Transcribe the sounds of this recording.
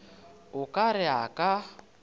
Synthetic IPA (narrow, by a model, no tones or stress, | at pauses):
ʊkʼaɾɪakʼa